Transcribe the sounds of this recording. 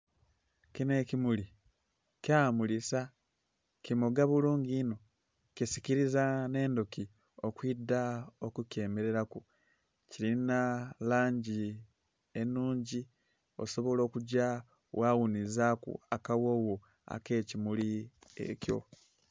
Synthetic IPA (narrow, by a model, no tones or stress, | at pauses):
cine̞cimuli | cjamulisa | cimoɡaβuluːŋɡiːno̞ | cisikiɾizane̞ːndoki | o̞kwidaokuke̞ːmeɾe̞ɾaku | ciɾinalaːɲɟi | enuːɲɟi | o̞̰so̞βo̞lo̞ːkuɟa | wawunizakṵa̰kawo̞ːwo | a̰ke̞ːcimuliḛco̞̰